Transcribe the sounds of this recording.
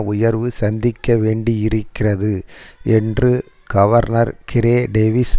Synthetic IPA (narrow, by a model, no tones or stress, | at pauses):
ʊjɐɾʋɯsɐnd̪ɪkːɐʋeːɳɖiɪɾɯkːɪrɐðɯɛndrɯ | ɡ̥ɐʋɐɾnɐɾkɪɾeːɖeːʋɪs